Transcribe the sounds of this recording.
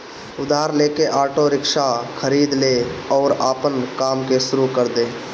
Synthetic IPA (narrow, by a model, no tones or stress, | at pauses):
ʊd̪aːɾleːkeʔaːʈoɾɪkʃakʰəɾiːd̪leːɔːɾaːpənkaːmkeʃʊɾukəɾd̪eː